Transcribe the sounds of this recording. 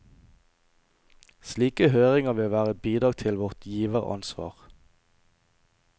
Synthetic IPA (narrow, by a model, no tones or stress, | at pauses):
sliːkəhøːʁɪŋəʋɪlʋæːʁəbiːd̪ʁɑːɡ̚t̪ʰɪlʋɔʁt̪ʰjiːʋəʁɑ̰nsʋɑ̰ːʁ